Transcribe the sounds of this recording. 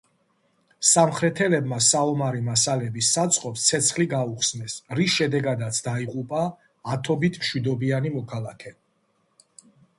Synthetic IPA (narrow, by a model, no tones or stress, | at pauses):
samχɾɛt̪ʰɛlɛbmasaɔmaɾimasalɛbisat̪sʼqʼɔpst̪sʰɛt̪sʰχliɡauχsnɛsɾisʃɛd̪ɛɡad̪at̪sʰd̪aiʁʼupʼaː | t̪ʰɔbit̪ʰmʃwid̪ɔbianimɔkʰalˠakʰɛ